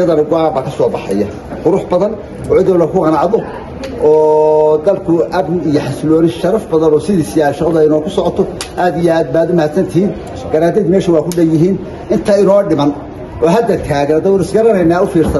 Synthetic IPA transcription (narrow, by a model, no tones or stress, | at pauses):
ɐðɐnɐɡɔʕaːbaːkʰɐsɔːbɑħɛ̰jɐ | qʊɾʊħbɐðɐn | ɔːʕɪðɐwlɐkʰʊqɑnɑʕðɔ | ɔːd̪ɐlkʰʊʔɐbnɪijɔħaslɔːnɪʃɐɾɐfbɐðɐnɔːsɪðiːsɪjaːʃɐqɔðɐɪnɔːkʰʊsɔʕɔt̪ʰɔʔaːd̪ɪjɛaːd̪baːðɔmɐhaːd̪sɐnt̪ʰɪhiːn | ɡ̥ɐnaːd̪ɛd̪mɛːʃɐwɑːkʰʊɖɐjɪɦiːn | ɪnt̪ʰɐɪnɔːɖɪmɐn | ʔɔːɦɐd̪ɐrkʰaːɣɐnɐd̪ɐwʊːnʊɪsɡɐɾɐnɛjnːaːʊfiːrsɐ